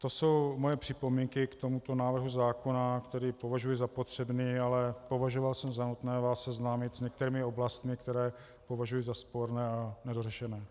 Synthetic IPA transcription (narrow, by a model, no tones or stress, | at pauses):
t̪o̞so̞wmo̞jɛpr̝̥ɪpo̞miːŋkɪkt̪o̞mut̪o̞naːvr̩ɦuzaːko̞nakt̪ɛɾiːpo̞vaʒujɪzapo̞t̪r̝̥ɛbniːalɛpo̞vaʒo̞valsɛmzanut̪nɛːvaːsɛznaːmɪt̪zɲɛk̚t̪ɛɾiːmɪo̞blast̪mɪkt̪ɛɾɛː | po̞vaʒujizaspo̞ɾnɛːanɛdorɛʃɛnɛː